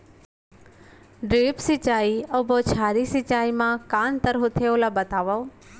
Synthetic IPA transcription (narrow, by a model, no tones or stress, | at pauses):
ɖɾeːpsɪt͡ʃaːioboːt͡ʃʰaːɾisɪt͡ʃaːimãkaːnt̪əɾɦʊt̪ʰeolabət̪aːʋa